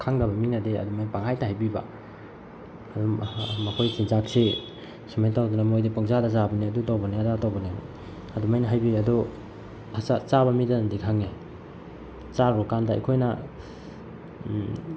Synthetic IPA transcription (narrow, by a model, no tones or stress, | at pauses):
kʰaŋdɐbɐminadeɐ̰dumajnpaŋɦajtaɦajbiba̰ | ɐdumɐkʰojsinzak̚se | simajtawdunamojdipoŋzadazabɐniɐdutawbɐniadatowbɐnini | ɐdumajnɐɦajbiɐdu | asat͡ʃabɐmidandikʰaŋe | t͡ʃaɾɔkandaa̰jkʰojna̰